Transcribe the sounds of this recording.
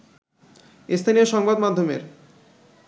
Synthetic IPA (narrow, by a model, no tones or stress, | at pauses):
est̪ʰanioʃɔŋbad̪mad̪ʱːomḛɾ